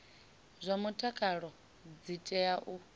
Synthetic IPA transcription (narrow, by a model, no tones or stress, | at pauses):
zʷamutʼakʼaɺɔ | d͡zitʼɛaʔu